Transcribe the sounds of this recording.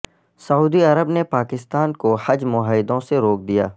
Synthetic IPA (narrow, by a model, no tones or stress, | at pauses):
sɐuːd̪iɐɾəbnepaːkɪst̪aːnkohɐd͡ʒmʊɦəːjd̪õseɾoːk̚d̪ija̰ː